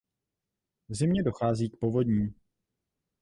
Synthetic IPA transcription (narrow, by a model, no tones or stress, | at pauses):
vzɪmɲɛdo̞xaːziːk̚po̞vo̞dɲiːm